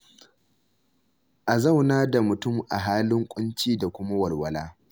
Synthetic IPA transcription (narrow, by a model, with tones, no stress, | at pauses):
ʔa˨za˦˨wnaː˦da˨mʊ˨tʊ˦˨mʔa̰˨ɦaː˦lɪ˦ŋkʷʼʊ˦nt͡ʃiː˦da˨kʷʊ˦ma˦wɐ˨lwɐ˨laː˦